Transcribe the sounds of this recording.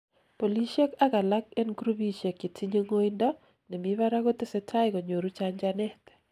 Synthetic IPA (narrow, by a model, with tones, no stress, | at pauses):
po˨li˦ʃɛ˦ka˦ka˨la˦ke˦nɡɾu˦bi˦ʃe˨ki˨tʰi˦ɲo˦ŋo˦indɔ˦ | nɛ˨mi˦βa˦ɾa˦ɣo˦t̪ɪ˦sɛ˦tʰa˦ɪko˨ɲo˨ɾu˦t͡ʃaɲd͡ʒanɛ˦t̪